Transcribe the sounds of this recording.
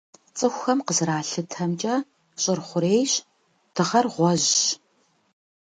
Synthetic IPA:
t͡sʼɨxʷxɐmqəzɾaːɬɨtʰɐmt͡ʃʼɐ | ɕʼɪrχʷʊɾeːjɕ | tʰɨʁɐrʁʷɔʑ

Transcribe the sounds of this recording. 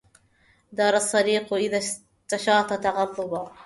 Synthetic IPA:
d̪ɑːɾˤɑsˤːɑɾiːqʔɪða | t̪ːaʃɑːt̪ˤɑt̪ɑɣɑlˤːʊba

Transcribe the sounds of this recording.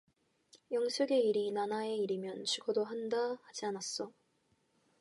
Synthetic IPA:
jʌŋsʰɯɡe̞iɾinanae̞iɾimjʌnt͡ɕʰiɡʌdoɦandahad͡ʑianas͈ʌ

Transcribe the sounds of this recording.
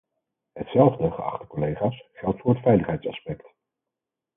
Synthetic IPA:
ɦətsɛlˠvdəχəɑ̰χtə̥kɔlejχaːsχɛlˠtfʊːɹɦətfɛjləχɦɛjtsɑspɛkt

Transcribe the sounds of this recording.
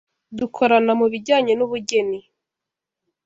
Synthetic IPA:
dukʰo̞ɾanamuβiɟaːɲe̞nuβuɟe̞ni

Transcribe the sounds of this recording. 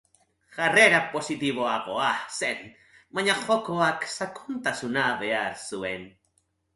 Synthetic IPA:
xareɾaposit̪iβoaqoasen | maɲaχokoaksakʰunt̪asunabeaɾsuen

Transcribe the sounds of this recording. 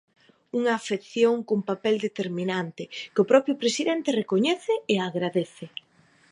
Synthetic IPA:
uŋaːfeθjoŋkompapɛld̪et̪eɾminant̪ɪkʊpɾɔpɾjʊpɾesiðɛnt̪erekoɲɛθɪeaɣɾaðeθɪ

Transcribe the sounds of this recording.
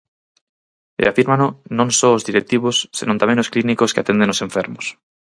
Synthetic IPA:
ḛafiɾmanonõnsoːzðiɾek̚t̪iβosːinont̪amenosklinikoskeat̪e̞nd̪enosẽ̞ɱfeɾmos

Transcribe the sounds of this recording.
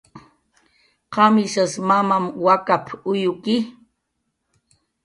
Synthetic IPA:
qɑmɪʃasmamamwakapʰʊjʊkɪ

